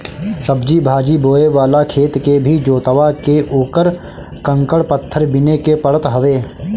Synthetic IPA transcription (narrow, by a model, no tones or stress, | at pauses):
səbd͡ʒibʱaːd͡ʒiboːeʋaːlakʰeːt̪kebʱid͡ʒoːt̪əʋakeʔuːkəɾ | kə̃ŋkəɽpət̪ʰːəɾbɪnekepəɽət̪ɦɐʋeː